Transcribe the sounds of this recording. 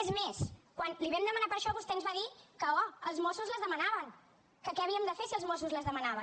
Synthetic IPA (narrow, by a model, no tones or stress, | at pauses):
ɛzmeskwanliβɛmd̪əmənapəɾʃɔβust̪ɛnzβaðikəɔəlˠzmɔsuzləzðəmənaβəŋ | kəkɛəβ̞iəmd̪əfesiəlˠzmɔsuzləzðəmənaβə